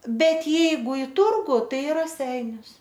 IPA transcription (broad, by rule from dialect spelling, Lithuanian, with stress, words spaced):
ˈbʲɛt ˈjɛɪɡʊ ɪ ˈtʊrɡʊ ˈtɐɪ ɪ rɐˈsʲɛɪnʲʊs